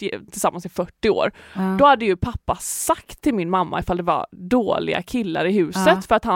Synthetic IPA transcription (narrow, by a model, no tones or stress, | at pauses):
t̪ʰɪlsamːansɪfœʈːɪo̰ːɾd̪̥ɔhad̪ːəjɵpʰapːasak̚t̪ʰːɪlmɪnmamːa̰ɪfald̪ɛva̰ɾd̪oːlɪ̰ɡa̰kʰɪlːa̰ɾɪɦʉ̟ːsət̪fœɾat̪ha